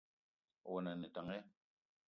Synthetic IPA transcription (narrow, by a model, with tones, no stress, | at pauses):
wɔ˨na˨nɛ˨ta˨ŋɛ˦